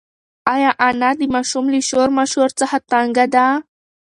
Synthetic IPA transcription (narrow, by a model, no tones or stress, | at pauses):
ɑjɑʔanad̪əmɑʃumliʃoɾmaʃhoɾt͡səxat̪aŋɡad̪a